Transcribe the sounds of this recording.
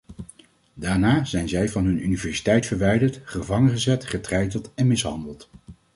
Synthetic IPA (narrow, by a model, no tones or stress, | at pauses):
daːɹnaːzɛjnzɛjvɑnɦɵnynivɛɹsi̥tɛjtfəɹʋɛjdəɹtχəvɑŋənχəzɛtχətrɛjdəlˠtɛnmɪsɦɑ̰ndəlˠt